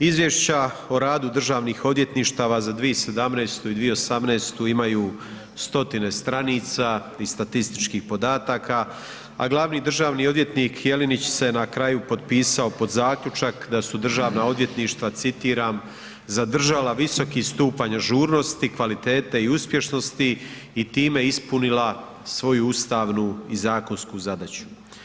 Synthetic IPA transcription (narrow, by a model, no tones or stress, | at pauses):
izʋjeʃt͡ɕao̞ɾaːd̪ud̪r̩ʒaːʋniːxo̞d̪ʋje̞t̪niːʃt̪aːʋazad̪ʋiese̞d̪amneːst̪uid̪ʋijeosamneːst̪uimajuː | st̪o̞t̪ine̞st̪ɾaniːt̪sa | ist̪at̪ist̪i̥t͡ʃkiːxpo̞d̪aːt̪aːkʰa | a̰ɡlˠaʋniːd̪r̩ʒaːʋniːo̞d̪ʋje̞t̪niːkʰje̞linit͡ɕsenakɾajupo̞d̪̚piːsao̞po̞d̪zaːkʎut͡ʃakd̪asud̪r̩ʒaːʋnao̞d̪ʋje̞t̪niːʃt̪ʋat̪sit̪iːɾaːm | zad̪r̩ʒalaʋiso̞kist̪uːpaɲaʒuːɾno̞st̪ikʋalit̪e̞ːt̪eiuspje̞ʃno̞st̪i | it̪iːme̞ispunila | sʋo̞juust̪aːʋnuizaːko̞nskuːzad̪at͡ɕu̥